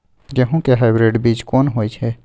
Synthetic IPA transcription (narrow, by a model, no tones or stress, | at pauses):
d͡ʒeɦũkeɦaɪbɾeɖbit͡ʃkonɦojt͡ʃʰɛ